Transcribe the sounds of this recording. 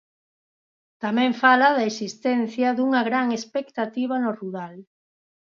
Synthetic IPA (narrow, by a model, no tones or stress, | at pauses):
t̪amɛ̃ɱfalaðaesist̪ɛn̟θjɐðuŋɐɣɾaŋespekt̪at̪iβɐnoruɾal